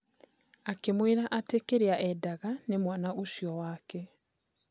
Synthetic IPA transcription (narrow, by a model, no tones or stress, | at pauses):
akemweɾaʔatekeɾeaʔɛdaɣanemwanaʔosjɔwakɛ